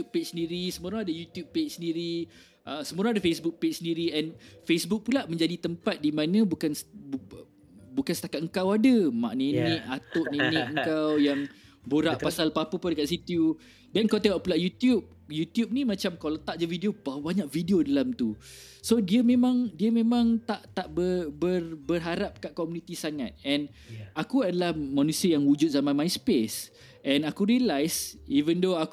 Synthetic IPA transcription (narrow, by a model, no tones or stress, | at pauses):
up̚pet͡ʃsəndiɾisəmuɾaŋadəjut̪jub̚pet͡ʃsəndiɾi | ʔəsəmuɾaŋadafesbuk̚pet͡ʃsəndiɾiɛnfesbuk̚pulaʔmə̃ɲd͡ʒadit̪əmpat̪̚dimãnə̃bukans | bukansət̪akat̪̚əŋkawadama̰ʔnenɛ̃ʔat̪ʊʔnenɛ̃ʔəŋkawjaŋ | boɾaʔpasalpapəpadəkaʔ̪̚sit̪ju | dɛnkawt̪eɔʔpulaʔjut̪jub̚jut̪jup̚nimãt͡ʃamkalət̪aʔd͡ʒəvidiobawbaɲãʔvidiodalamt̪u | sodiəmẽmãŋdiəmẽmãŋt̪aʔt̪aʔbəbərbərɦaɾap̚kaʔ̚kɔmunĩt̪isaŋã̰t̪̚ɛ̃n | akuadalahmanusiəjaŋwud͡ʒʊt̪̚zamãnmãjspes | ʔɛ̃nakuɾiəlajsivəndoak